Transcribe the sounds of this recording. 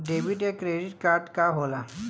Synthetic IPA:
ɖeʋiʈekɾeɖiʈkaɾʈkaɦola

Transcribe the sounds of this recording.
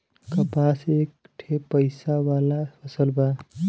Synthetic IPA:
kəpasek̚ | ʈʰepəɪsawaːlapʰəsəlba

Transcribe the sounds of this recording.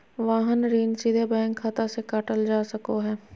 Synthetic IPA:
ʋaːɦənɾiːnsid̪ʱebɛ̃ːŋkʰːat̪asekaʈəld͡ʒaːsɐkoɦɛː

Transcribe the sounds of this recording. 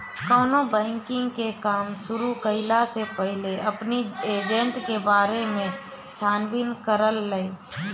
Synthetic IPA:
koːnobɛ̃ːŋkɪ̃ŋɡkekaːmʃʊɾukəɦɪlasepəɦɪleʔɐpnieːd͡ʒə̃ɳʈkebaːɾemẽ | t͡ʃʰaːnbɪnkəɾəlːəe

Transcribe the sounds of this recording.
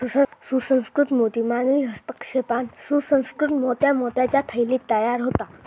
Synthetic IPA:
susə̃nskɾut̪moːt̪imaːnuiɦɐst̪əkʃepaːnsusə̃nskɾut̪moːt̪jamoːt̪jat͡ɕat̪ʰəjlit̪ːajaːɾɦoːt̪aː

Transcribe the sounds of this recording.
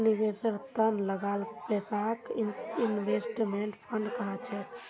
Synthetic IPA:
niʋesəɾt̪ənləɡaːlpesaːkinʋeːsʈmeɳʈpʰəɳɖkəɦat͡ʃʰɛː

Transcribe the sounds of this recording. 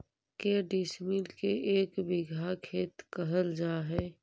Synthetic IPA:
keːɖismilkeʔeːkbɪɡʱakʰeːt̪kəɦəld͡ʒaːɦɛː

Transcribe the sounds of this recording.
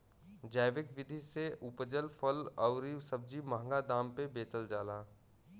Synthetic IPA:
d͡ʒaːɪʋɪkʋɪd̪ʱiseʔʊpd͡ʒəlpʰəlɔʊɾisəb̚d͡ʒimãɦə̃ŋɡad̪ãːmpebeːt͡ʃəld͡ʒaːlaː

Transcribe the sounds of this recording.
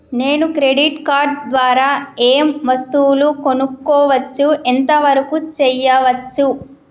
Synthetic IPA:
ne̞ːnukɾeɖiʈkaːɾɖ̚d̪ʋaːɾaːeːmʋɐst̪uwuluko̞nukːɔːʋɐt͡ʃːuʔent̪ɐʋɐɾɐkut͡ʃɛjːɐʋɐt͡ʃːu

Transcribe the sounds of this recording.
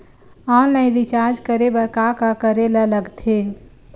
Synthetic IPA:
ãnəĩɾit͡ʃaɾd͡ʒkəɾebəɾkakakəɾelələɡt̪ʰe

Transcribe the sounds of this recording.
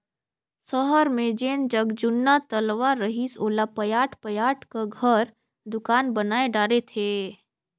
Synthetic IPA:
səɦəɾmẽd͡ʒeːnd͡ʒəɡd͡ʒʊnːat̪əlʋaɾəɦisoːlapəjaːʈʰpəjaːʈʰkaɡʱəɾ | d̪ʊkaːnbənaːeɖaːɾet̪ʰeː

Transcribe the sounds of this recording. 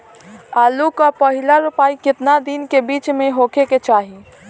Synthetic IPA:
aːlukapəɦɪlaɾʊpaːikɪt̪nad̪inkebiːt͡ʃmẽɦoːkʰeket͡ʃaːɦi

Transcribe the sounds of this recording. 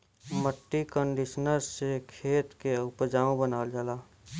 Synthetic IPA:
məʈːikəɳɖɪʃnəɾsekʰeːt̪keʊpd͡ʒaːõbənaːld͡ʒəlaː

